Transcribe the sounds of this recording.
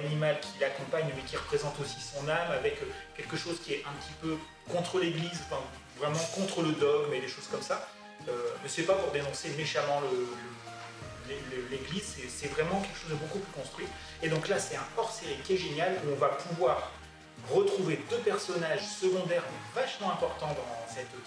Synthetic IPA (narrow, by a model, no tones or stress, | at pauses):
animalkʲʰilakɔ̃paɲmɛkʲiʁəpχezɑ̃t̪osi̥sɔ̃namavɛkkʲɛlkəʃozkʲiɛɛ̃pət̪ʰipø | kɔ̃t̪χəleɡlizɑ̃fɛ̃ | vʁɛmɑ̃kɔ̃t̪χələd̪ɔɡmed̪eʃoz̥kɔmsa | ømɛsɛpapuʁd̪enɔ̃semeʃamɑ̃lələ | leləleɡlizsɛsɛvʁɛmɑ̃kʲɛlkə̥ʃozd̪əbokuplykɔ̃st̪χɥi | ed̪ɔ̃klasɛt̪ɛ̃ɔʁseʁikʲiɛʒenjaluɔ̃vapuvwaʁː | ət̪χuved̪øpɛʁsɔnaʒsəɡɔ̃d̪ɛʁmɛvaʃmɑ̃ɛ̃pɔʁt̪ɑ̃d̪ɑ̃sɛt̪